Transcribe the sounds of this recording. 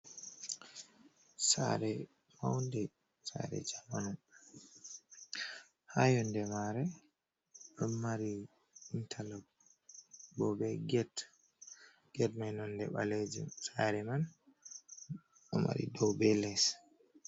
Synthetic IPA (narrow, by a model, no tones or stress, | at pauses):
sa̰ɾɛ | mawndɛ | sa̰ɾɛ̰d͡ʒamanun | hajɔndɛmaɾɛ | ɗɔːaɾi | intʰala | bɔbɛɡɛt | ɡ̥ɛtmajnɔndɛɓaled͡ʒḭmsaɾɛman | ɔma̰ɾḭdɔwbɛlɛs